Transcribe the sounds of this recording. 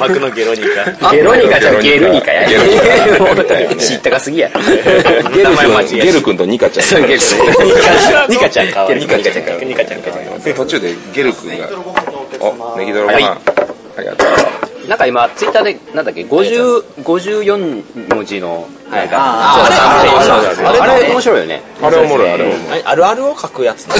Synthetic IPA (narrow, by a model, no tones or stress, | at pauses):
makɯnoɡeɾoɲikaɡɡeɾoɲikaãɲɡeɾɯɲʲika̰ja̰eɾ | ɕit̪ːaɡasɨɡʲija̰ɾ | ɡeɯɯ̃aɡeɾɯ̟kɯ̃nt̪oɲ̟ikat͡ɕã̰oɡeɾaɲikat͡ɕãŋaikaaɲikaãɲkat̪o̞t͡ɕɨːd̪eɡe̞ɾɯ̟kɯ̟̃ŋɡa̰ | oneɡʲid̪oɾoma̰ | aɾʲḭɡa̰t̪onãŋkaimat͡sɨit̪ːaːd̪e̞nãnd̪akːeɡo̞ʑɨːɡo̞ʑɨːjõ̞ɲmod͡ʑino̞ | haɡaaoaɾaɾeo̞moɕiɾo̞ijo̰nḛ | aɾeomoɾoaɾeomoaɾɯaɾɯ̟okʰakɯ̟jat͡sɨ̥n